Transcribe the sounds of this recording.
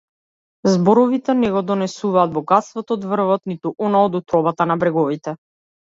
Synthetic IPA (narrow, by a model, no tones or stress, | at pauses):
zbɔɾɔvit̪ɛnɛɡɔd̪ɔnɛsuvaːd̪̚bɔɡat̪st̪vɔt̪ɔːd̪vr̩vɔt̪nit̪uʔɔnaɔd̪ut̪ɾɔbat̪anabɾɛɡɔvit̪ɛ